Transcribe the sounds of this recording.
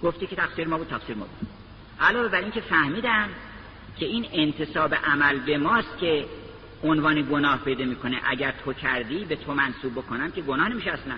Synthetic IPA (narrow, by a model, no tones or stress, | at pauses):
ɡ̥oft̪iːkʰet̪ʰæxsiːɾemɒːbuːd̪t̪ʰæksiːɾmɒ̰ːbud̪ | ʔælɒːve̞bæɾiŋncʰe̞fæhmiːd̪æm | cʰeiːnent̪ʰe̞sɒːbe̞ʔæmælbe̞mɒːst̪̚cʰe̞ | onvɒːneɡo̞nɒːhpʰe̞jd̪ɒːmiːkʰoneʔæɟæɾt̪ʰocʰæɾd̪iːbe̞t̪ʰomænsuːb̚ːo̞kʰonæmkʰe̞ɡonɒːhne̞miʃeæslæn